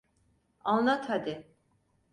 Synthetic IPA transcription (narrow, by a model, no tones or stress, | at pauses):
alˠnat̪ʰhad̪ɪ